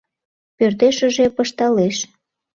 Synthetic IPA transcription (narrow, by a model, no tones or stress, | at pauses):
pørt̪eʃə̆ʒepəʃt̪ɑleʃ